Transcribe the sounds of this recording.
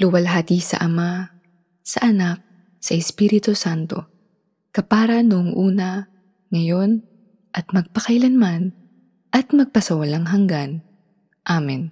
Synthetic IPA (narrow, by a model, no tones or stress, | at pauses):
lʊwɐlɦaːt̪isɐ̰ʔɐma | sɐ̰ʔɐnak̚ | sɐʔɛspiɾɪt̪osant̪o̞ | kɐpaːɾɐnʊʔoŋʔuːnɐ | ŋɐjo̞n | ʔɐt̪̚mɐɡ̚pɐkɐjlɐnman | ʔɐt̪mɐɡ̚pɐsɐwɐlaŋɦɐŋɡan | ʔaːmɛn